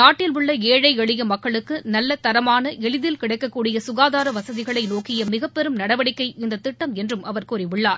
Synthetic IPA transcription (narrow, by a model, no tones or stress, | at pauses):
naːʈːɪlʊɭːɐeːɻɐɪɛɭɪjɐmɐkːɐɭɯkːɯnɐlːɐt̪ːɐɾɐmaːnɐʔɛɭɪðɪlkɪɽɐɪkːɐkːuːɽɪjɐsʊɣaːðaːɾɐʋɐsɐðɪɣɐɭɐɪnoːkɪjɐmɪɣɐpːɛɾɯmnɐɽɐʋɐɽɪkːɐɪɪnd̪ɐt̪ːɪʈːɐmɛndrɯmɐʋɐɾkuːɾɪʋʊɭːaːɾ